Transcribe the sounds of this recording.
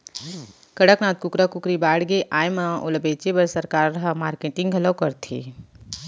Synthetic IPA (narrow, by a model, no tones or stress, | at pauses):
kɐɽəknaːt̪̚kʊkɾakʊkɾibaːɽɡeʔaːjməʔoləbeːt͡ʃebəɾsəɾkaːɾːɐɦəmaːɾkeːʈɪ̃ŋɡʱɐləwkɐɾt̪ʰḛː